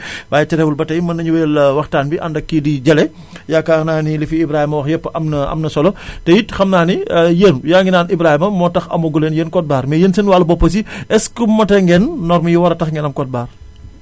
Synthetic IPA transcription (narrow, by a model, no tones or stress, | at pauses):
waːjɛt͡ʃɐɾɛwulbɐtɐjmɐnɐɲuwɛːlwɐxtaːnbiʔɐndɐkːidiɟɐlɛ | jakaːxnaːnilifiibɾaːhimɐwɐxjɛpːʔɐmnɐɐ̰mnɐsɔlɔtɛjitxɐmnaːnijeːnjaŋɡinaːnibɾaːhimɐmɔːtɐxɐ̰muɡuleːnjeːnkɔt̚baːɾmɛjeːnsenwaːlɐbɔpːɐs̬iʔɛskumːɐtɛŋɡɛnːɔɾmɐjiwɐɾɐtɐxŋɡɛnɐmkɔt̚baːr